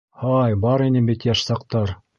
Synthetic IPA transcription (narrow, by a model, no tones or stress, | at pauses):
hɑjbɑɾinɘbit̪jæʃsɑqt̪ɑɾ